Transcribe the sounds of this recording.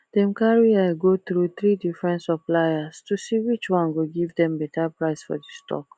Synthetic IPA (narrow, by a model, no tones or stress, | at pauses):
d̥ɛ̃mkaɹiaɡot̪ɹut̪ɹidifɹɛ̃ntsəplajastusiwit͡ʃwãnɡoɡivdɛ̃mbɛtʰapɹaɪsfɔ̰distʰɔ̰k